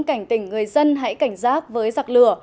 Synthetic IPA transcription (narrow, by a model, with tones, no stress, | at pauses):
nka˧˩jŋ̟t̪ï˧˩ŋ̟ŋɨ˨˩əjzə˧nɦa̰˧˥jka˧˩jŋ̟zaː˦˥k̚vəː˨˦jza˨˩k̚lɨ˧˩ə